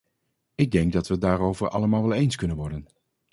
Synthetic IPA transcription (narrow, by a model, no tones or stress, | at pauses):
ɪɡ̚dɛŋkɡ̚dɑtʋədaːɾowvəɹɑ̰ləmaːlʋɛlˠejnskɵnənʋɔɹdən